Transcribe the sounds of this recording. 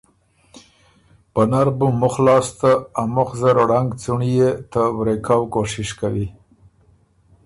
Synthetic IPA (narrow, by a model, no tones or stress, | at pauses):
pənaɾbumʊxlɑst̪aːmʊxzaɾɽaŋɡt͡suɳijet̪awɾekawkoʂɪʃkawi